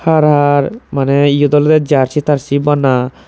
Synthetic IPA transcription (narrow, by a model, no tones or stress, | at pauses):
haɾaɾmanɛijod̪ɔld̪ed͡ʒaɾt͡ʃit̪aɾsibana